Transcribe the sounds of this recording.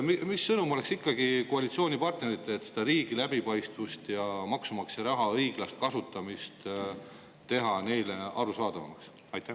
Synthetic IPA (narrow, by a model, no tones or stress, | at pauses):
mimisːɤnumo̞le̞ksikːɑɡ̥ikoɑlʲit̪sio̞ːnʲipɑrt̪̚ne̞ɾit̪ːˑet̪ːse̞d̪̥ɑɾiːɡ̥ilæbipɑjst̪vust̪jɑmɑksumɑksjɑɾɑɦɑɤjɡ̥lɑst̪̚kɑsut̪ːˑɑmist̪ | t̪ːe̞ɦɑne̞jleɑɾusɑːd̪̥ɑvɑ̰mɑks | ɑjt̪ːˑæ